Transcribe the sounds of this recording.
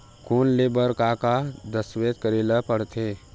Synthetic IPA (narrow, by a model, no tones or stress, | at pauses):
kʰonlebəɾkakad̪əswet̪kəɾeləpəɽt̪ʰe